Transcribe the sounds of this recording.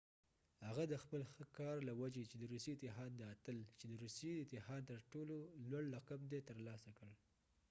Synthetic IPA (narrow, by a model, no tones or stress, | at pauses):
haɣad̪əxpəlxəkɑɾlawad͡ʒet͡ʃed̪əɾuset̪ɪɦɑd̪d̪əat̪əlt͡ʃed̪əɾusijet̪ɪhɑd̪t̪əɾʈololwaɽːaqabd̪et̪əɾlɑsakəɽ